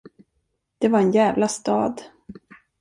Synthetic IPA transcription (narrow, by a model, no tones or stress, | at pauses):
d̪̥ɛvaɾɛnjæːvlast̪ɑ̰ːd̪